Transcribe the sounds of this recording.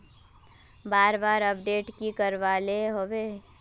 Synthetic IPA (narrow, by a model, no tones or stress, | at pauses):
baːɾbaːɾɐpɖeːʈkikəɾʋaːleɦoʋe